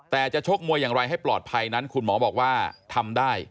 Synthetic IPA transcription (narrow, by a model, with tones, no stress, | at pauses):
t̪ɛː˨˩t͡ɕa˨˩ʔt͡ɕʰo˦˥k̚mu˧əjːaː˨˩ŋɾa˧jɦa˥˩jplɔː˨˩t̪̚pʰa˧jna˦˥nkʰu˧nmɔː˩˦bɔː˨˩k̚waː˥˩t̪ʰa˧mdaː˥˩j